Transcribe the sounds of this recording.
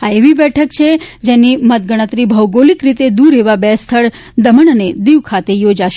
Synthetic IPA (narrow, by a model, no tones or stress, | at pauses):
ɦaeʋibɛʈʰəkt͡ʃʰed͡ʒenimət̪̚ɡəɽ̃ət̪ɾibʱəwɡolikɾit̪ed̪uɾeʋabɛst̪ʰəɭ | d̪əməɳəned̪iʋkʰat̪ejod͡ʒaʃ